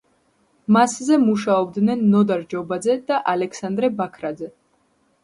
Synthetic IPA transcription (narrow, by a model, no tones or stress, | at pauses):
maszɛmuʃaɔbd̪nɛnːɔd̪aɾd͡ʒɔbad̪zɛd̪̥aʔalɛkʰsand̪ɾɛbakʰɾad̪zɛ